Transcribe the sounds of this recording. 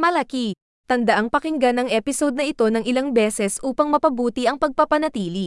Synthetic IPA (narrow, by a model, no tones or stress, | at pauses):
mɐlɐki | t̪ɐnd̪ɐʔaŋpɐkɪŋɡanɐŋʔɛːpɪsod̪̚nɐʔɪt̪o̞nɐŋʔɪlaŋbɛːsɛsʔuːpɐŋmɐpɐbuːt̪iʔɐŋpɐɡ̚pɐpɐnɐt̪iːli